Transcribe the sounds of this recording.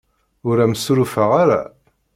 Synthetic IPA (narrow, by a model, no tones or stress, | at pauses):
ʊɾæməsuɾufəʁaɾa̰